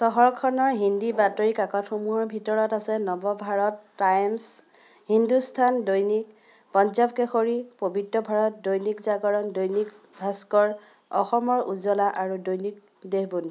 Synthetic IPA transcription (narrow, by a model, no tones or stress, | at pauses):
sɔɦɔɹkʰɔnɔɹɦindibatoɹikakɔtxumuɦɔɹbʱitɔɹɔtasɛnɔbɔbʱaɹɔtːajns | hindustʰandojnik̚ | pɔnzabkɛxoɹipobʱitɹɔbʱaɹɔt̚dojnikzaɡɔɹɔndojnik | bʱaskɔɹ | ɔxɔmɔɹʔuzɔlaʔaɹudojnik̚ | deɦbuni